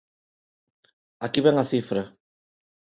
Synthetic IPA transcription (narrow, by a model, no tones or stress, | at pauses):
akiβeŋaθifɾa